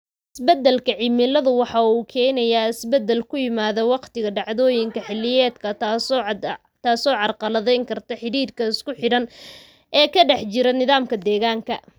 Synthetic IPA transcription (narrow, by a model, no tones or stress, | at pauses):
ʔʔɪsbɛd̪ːɛlkʰɐʕɪmɪlɐðʊwɑħɑuːkʰɛːnɐjaːɪsbɛd̪ːɛlkʰʊjɪmaːðɔwɑqt̪ɪɣɐɖɑʕðɔːjɪŋkʰɐħɪlːɪjɛːd̪kʰɐ | t̪ʰaːsɔːʕɑrqɑlɐðɛjŋkʰɐrt̪ʰɐħɪɾiːɾkʰɐɪskʊħɪɽɐn | ʔɛːkʰɐɖɛħt͡ʃɪɾɐnɪðaːmkʰɐd̪ɛːɣaːŋkʰɐ